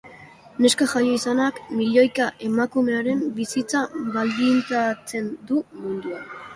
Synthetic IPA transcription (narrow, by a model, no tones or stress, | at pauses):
ne̞skaʝajo̞isanakmiʎo̞jkaʔe̞makume̞aɾe̞mbisit͡saβald̪int̪at͡se̞nd̪umund̪uan